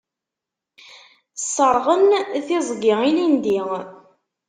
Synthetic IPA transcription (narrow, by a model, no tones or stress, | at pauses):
sˤːəɾˤʁənθɪzˤɡɪʁilind̪i